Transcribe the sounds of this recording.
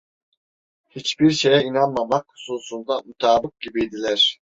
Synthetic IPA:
hit͡ʃbiɾʃe̞jɛinanmamakhu̥susund̪amut̪ʰaːbɯk̚ɟibijd̪ilʲæɾ̥

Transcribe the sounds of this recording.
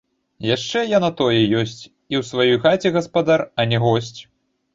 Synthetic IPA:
jaʂt͡ʂɛjanat̪ɔjɛjɔsʲt͡sʲ | iwsvajɔjxat͡sʲɛɣɐspad̪arɐnʲɛɣɔsʲt͡sʲ

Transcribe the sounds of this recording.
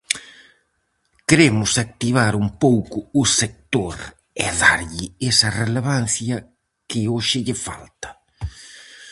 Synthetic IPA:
kɾemʊsak̚t̪iβ̞aɾumpowkʊʊsek̚t̪oɾ | ɛ̰ðaɾʎɪesɐreleβan̟θjɐ | kɪoʃɪʎɪfa̰lt̪ɐ̥

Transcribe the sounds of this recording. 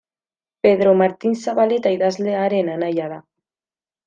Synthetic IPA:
peðɾomaɾt̪insaβalet̪ajðazleaɾenanajaða

